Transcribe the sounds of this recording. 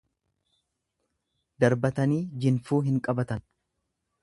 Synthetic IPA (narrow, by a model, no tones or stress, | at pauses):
d̪ɐɾbɐt̪ɐniːd͡ʒɪnfuːɦɪŋkʼɐbɐt̪ɐn